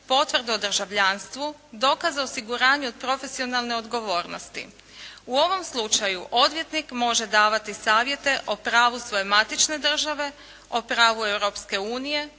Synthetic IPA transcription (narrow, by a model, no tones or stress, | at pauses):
po̞t̪ʋrd̪eod̪r̩ʒaʋʎanst̪ʋud̪o̞ːkazaosiɡuɾaːɲuod̪̚pɾo̞fe̞sio̞nalˠne̞o̞d̪ɡo̞ʋo̞ːɾno̰st̪ḭ | uo̞ʋo̞mslˠut͡ʃajuʔo̞d̪ʋje̞t̪nikmo̞ʒe̞d̪aːʋat̪isaːʋje̞t̪e̞ʔo̞pɾaːʋusʋo̞jemat̪it͡ʃne̞d̪r̩ʒaʋe̞ | o̞pɾaːʋuewɾo̞pske̞uːnije̞